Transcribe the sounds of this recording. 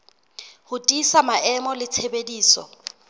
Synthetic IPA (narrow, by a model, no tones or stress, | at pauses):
hʊtʼisamaɛmɔlɪt͡sʰebediːsɔ̰